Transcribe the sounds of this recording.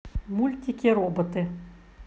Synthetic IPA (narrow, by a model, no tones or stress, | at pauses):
mulʲt̪ʲikʲeɾobə̆t̪ɘ̆